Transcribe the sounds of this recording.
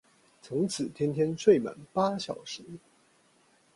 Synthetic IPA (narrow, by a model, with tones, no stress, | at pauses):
t͡sʰʊ˧˥ŋt͡sʰɹ̩˨˩t̪ʰjɛ˥nt̪ʰjɛ˥nʂwe˥˩ɪma̰˨˩˦npa˥ɕjɑ˨˩ʊʂɻ̩˧˥˦